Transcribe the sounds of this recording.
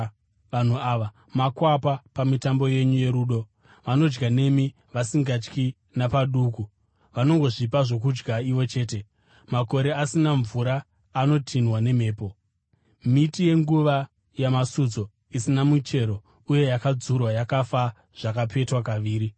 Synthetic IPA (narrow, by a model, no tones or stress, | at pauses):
ʋan̤uaːʋa | makwapapamitambo̞je̞ɲuje̞ɾuːɗo̞ | ʋano̞d͡ʒɡane̞mi | ʋasiŋɡat͡ʃki | napaɗuku | ʋano̞ŋɡo̞ʐipaʐo̞k̬ud͡ʒɡaiʋo̞t͡ʃe̞ːte̞ | mako̞ɾe̞asinaɱvuɾaː | no̞tʰinwane̞m̤e̞ːpo̞ | mitije̞ŋɡuʋa | jamasud͡zo̞ | isinamut͡ʃe̞ɾo̞ | uje̞jakad͡zurwajakafa | ʐ̥akape̞twakaʋiːɾi